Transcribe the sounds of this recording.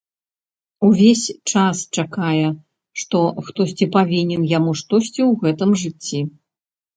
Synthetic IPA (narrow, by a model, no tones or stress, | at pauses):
uvʲesʲt͡ʂast͡ʂakajɛ | ʂt̪ɔxt̪ɔsʲt͡sʲipavʲinʲɛnjamuʂt̪ɔsʲt͡sʲiwɣɛt̪ɨmʐɨt͡sʲːi